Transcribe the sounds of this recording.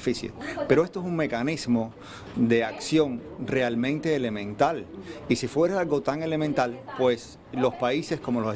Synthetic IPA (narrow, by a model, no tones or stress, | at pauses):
fisjḛpe̞ɾo̞e̞st̪oesuŋme̞kanismo̞ | ðe̞aksjõ̞ŋ | re̞almẽnt̪e̞ːle̞mẽ̞nt̪alisifwe̞ɾesalɡo̞t̪aŋe̞le̞mẽnt̪alpwe̞s | lo̞spaise̞sko̞molo̞se